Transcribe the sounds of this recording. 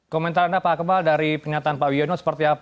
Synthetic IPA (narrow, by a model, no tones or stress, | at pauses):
komɛnt̪aɾəndapaakəbaldaɾipərɲat̪aːnpaʔwionosə̥pərt̪iap